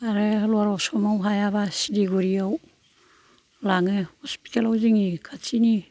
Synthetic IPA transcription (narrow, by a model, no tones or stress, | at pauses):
aɾelwaɾɔsɔmawɦajaβasidiɡuɾiaw | laŋɯhɔspi̥talawziŋikʰat͡ʃini